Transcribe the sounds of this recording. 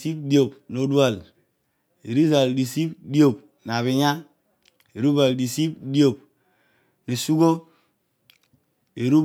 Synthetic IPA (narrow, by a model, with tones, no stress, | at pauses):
si˦pdi˦o˨pno˨du˦a˨l | e˨ɾi˦za˨ldi˨si˦pdi˦o˨p̚ | n˨a˨βi˨ɲa˦ | e˨ɾu˦ba˨ldi˨si˦pdi˦o˨p̚ | ni˨su˦ɡo˦ | e˨ɾu˦b